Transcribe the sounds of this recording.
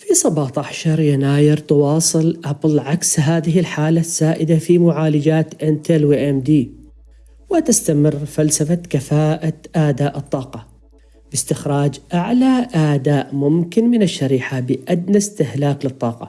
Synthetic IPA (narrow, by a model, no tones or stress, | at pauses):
fisˤɑbɑːt̪ˤɑħʃɑɾˤjanaːjɪɾt̪ɑwɑːsˤɨlʔɑblʕaksɦaːðɪɦɪlħaːlasːaːʔɪd̪afimʊʕaːlɪd͡ʒaːt̪ʔɪnt̪ɛlwiʔɛmd̪iː | wɪt̪ɪst̪amɪrːfalsafakafaːʔaʔad̪aːʔɨt̪ˤːɑːqɑ | bɪst̪ɪxɾˤɑːd͡ʒʔaʕlaʔad̪aːʔmʊmkɪnmɪnɪʃːaɾiːħabɪʔad̪nast̪ɪhlaːklɨt̪ˤːɑːqɑ̰